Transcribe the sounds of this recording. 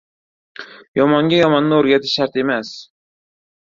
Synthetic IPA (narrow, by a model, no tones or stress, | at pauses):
jɒmɒŋɡʲajɒmɒnːɪoɾɡʲat̪ʰɪʃːaɾt̪e̞mas